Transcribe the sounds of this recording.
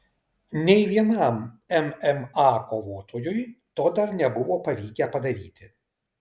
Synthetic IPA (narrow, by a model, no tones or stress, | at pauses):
nʲɛɪʋʲiɛnɑˑmɛmɛmɑːkoːʋoːt̪oːjʊjt̪oːd̪ɐɾnʲɛbʊʋoːpɐʋʲiːkʲɛpɐd̪ɐɾʲiːt̪ʲɪ